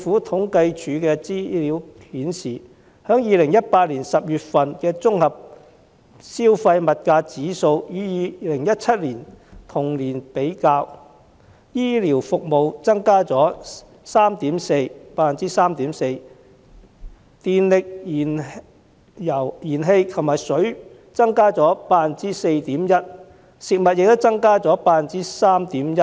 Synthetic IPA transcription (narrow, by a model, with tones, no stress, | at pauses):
fuː˨˥t̪ʰʊ˨˥ŋkɐ˧jt͡ʃʰyː˨˥kɛː˧t͡siː˥li˨˥whiː˨˥nsiː˨˩ | hœː˨˥ŋjiː˨˧lɪ˨˩ŋjɐ˥t̚paː˧t̚liː˨˩nsɐ˨p̚jyː˨t̚fɐ˨nkɛː˧t͡sʊ˥ŋhɐ˨p̚ | siː˥wfɐ˧jmɐ˨t̚kaː˧t͡siː˨˥so˧wjiː˨˧jiː˨˧lɪ˨˩ŋjɐ˥t̚t͡sʰɐ˥t̚liː˨˩nt̪ʰʊ˨˩ŋliː˨˩npe˨˥jkaː˧w | jiː˥li˨˩wfʊ˨k̚mo˨wt͡sɐ˥ŋkaː˥t͡sɔː˨˥ | saː˥mt̪iː˨˥mse˧jpaː˧nt͡siː˥saː˥mt̪iː˨˥mse˧j | t̪iː˨nlɪ˨k̚ːn | jɐ˨˩wjiː˨˩nɦe˧jkʰɐ˨˩maː˨jsɵ˨˥ɥ | t͡sɐ˥ŋkaː˥t͡sɔː˨˥paː˧nt͡siː˥se˧jt̪iː˨˥mjɐ˥t̚ | sɪ˨k̚mɐ˨t̚jɪ˨k̚t̪ʊ˥w̚t͡sɐ˥ŋkaː˥t͡sɔː˨˥paː˧nt͡siː˥saː˥mt̪iː˨˥mjɐ˥t̚